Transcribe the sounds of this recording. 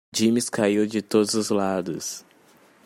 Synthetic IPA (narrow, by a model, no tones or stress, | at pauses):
d͡ʒĩmɪskaiwd͡ʒɪt̪od̪ʊzʊzlad̪ʊs